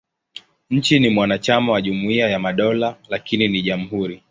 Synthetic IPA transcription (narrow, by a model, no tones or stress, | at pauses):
ɲ̩t͡ʃinimwanat͡ʃamawaʄumuiajamaɗɔlalakininiʄam̩ɦuɾi